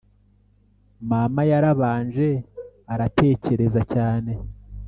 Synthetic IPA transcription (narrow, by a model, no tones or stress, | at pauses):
mamajaɾaβaːnʒe̞aɾatʰe̞ːce̞ɾe̞zacaːne̞